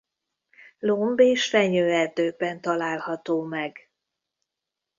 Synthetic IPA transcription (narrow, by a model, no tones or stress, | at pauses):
lombeːʃfɛɲøːɛrd̪øːbɛnt̪ɒlaːlhɒt̪oːmɛɡ